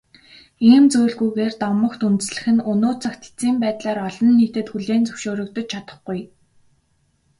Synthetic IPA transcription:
iːmt͡sujɮɣujɣeːrt̪ɔmə̆kt̪unt̪ɘ̆sɮɘ̆xɘ̆nʊnoːt͡sʰə̆xt̪ʰe̥t͡siːmpæːt̪ɮaːɾɔɮɞ̆nːiːt̪ɘ̆t̪xuɮeːnt͡sɵwʃoːɾɵ̆k̚t̪ɞ̆t͡ɕ̚t͡ɕʰat̪ə̥̆χɡuj

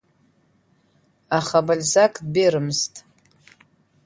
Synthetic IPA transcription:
aχabalʲzakʼbeɾɨmztʼ

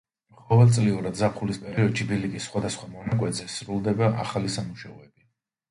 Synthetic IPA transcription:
χɔvɛlˠt̪sʼliuɾad̪zapʰχulispʼɛɾiɔd̪ʃibilikʼisːχwad̪asχwamɔnakʼwɛt̪ʼzɛsɾulˠd̪ɛbaʔa̰χalisamuʃaɔɛbi

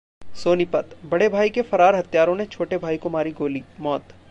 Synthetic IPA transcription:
soːnipɐt̪bɐɽebʱaːikefɐɾaːɾɦɐt̪jaːɾõnet͡ʃʰoːʈebʱaːikomaːɾiɡoːliːmɔːt̪

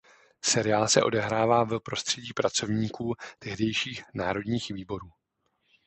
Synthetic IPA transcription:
sɛɾɪaːlsɛʔo̞̰dɛɦɾaːvaːvɛpɾo̞st̪r̝̥ɛɟiːpɾat͡so̞vɲiːkuːt̪ɛɦdɛjʃiːxnaːɾo̞dɲiːxviːbo̞ɾuː

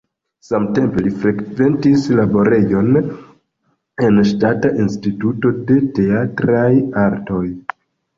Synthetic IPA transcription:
samte̞mpe̞lifɾe̞kve̞ntislabo̞ɾe̞jo̞n | e̞nʃtataʔinstituto̞de̞te̞atɾajaɾto̞j

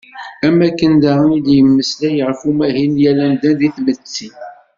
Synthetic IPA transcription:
æmːækːənd̪æʁnid̪jəmːəslæjəʁfumæɦinjælænd̪ænd̪iθmət͡sːi

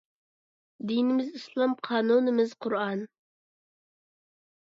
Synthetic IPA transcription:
d̪inɪmɪzislˠɑmqʰɑːnunɪmɪz̥qʰʊɾɑn

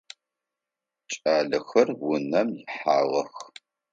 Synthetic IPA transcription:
t͡ʃʼaːɮɨxɐrwʊnɐmjɪħaːʁɐx

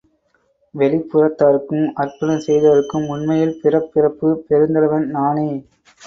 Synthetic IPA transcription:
ʋɛlɪpːɯrɐt̪ːaɾɯkːɯmɐrpɐɽɐmsɛjðɐʋɐɾɯkːɯmːʊɳmɐjɪlpɪrɐpːɪrɐpːɯpɛɾɯnd̪ɐɾɐʋɐnnaːne

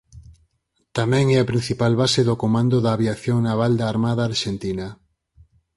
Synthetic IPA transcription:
t̪amɛ̃ŋɛapɾin̟θipalβaseðokomãnd̪oðɐːβjaθjoŋnaβald̪aːɾmaðaːɾʃent̪ina

